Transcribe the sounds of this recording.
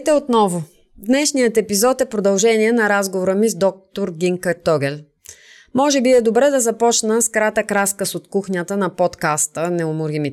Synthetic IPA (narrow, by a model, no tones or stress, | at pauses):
t̪ɛot̪nɔvʊ | d̪nɛʃnijət̪ɛpizɔt̪ɛpɾod̪ɐlˠʒɛniɛnɐɾazɡovoɾəmizd̪ɔk̚t̪oɾɡʲiŋkət̪ɔɡɛl | mɔʒɛbiɛd̪obɾɛd̪ɐzɐpɔt͡ʃnəskɾat̪əkɾaskəsot̪kuxɲʲət̪ənɐpɔt̪kast̪ənɛomʊɾimit̪